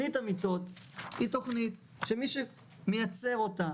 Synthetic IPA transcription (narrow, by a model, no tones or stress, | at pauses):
itamit̪ot̪hito̞χnit̪ | ʃemiʃe | mejat͡se̞ʁo̞ta